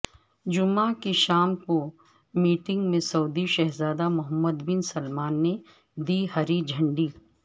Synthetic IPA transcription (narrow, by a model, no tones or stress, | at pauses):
d͡ʒʊmakiʃaːmko | miːʈɪ̃ŋɡmẽsɐːd̪iʃɐɦzaːd̪amʊɦəmːəd̪bɪnsɐlmaːnːe | d̪iːɦɐɾid͡ʒʱɐ̃ɳɖiː